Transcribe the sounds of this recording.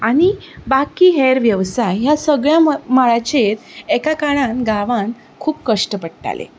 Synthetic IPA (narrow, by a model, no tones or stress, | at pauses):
aɽ̃ibakiːɦɛɾʋjəʋsajjasəɡɭjamaɭat͡ɕet̪ekakaɽãnɡaʋãn | kʰuːpkəʂʈəpəɽʈa̰lḛ